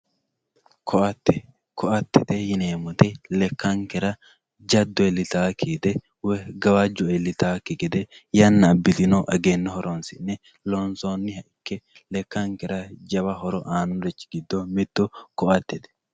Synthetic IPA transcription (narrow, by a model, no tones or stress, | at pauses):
kʰɔʔɐt̪ːɛ | kɔʔɐt̪ːɛt̪ɛjɪneːmʊt̪ɛlɛkːɐŋkɛɾɐ | d͡ʒɐd̪ːɔɛlːɪt̪aːkʰiːd̪ɛ | wɛɡɐwad͡ʒɔɛlːɪt̪aːkːɪɡɛd̪ɛjɐnːɐːbːɪt̪ɪnɔʔɐɡeːnːɐhɔɾʔɔnsɪnːɛ | lonsonːɪhɐʔɪkːɛ | lɛkːɐŋkɛɾɐd͡ʒɐbɐɦɔɾɔʔaːnʊɾɛt͡ʃːɪɡɪd̪ːɔmɪt̪ːɔkɔʔɐt̪ːɛt̪ɛ̥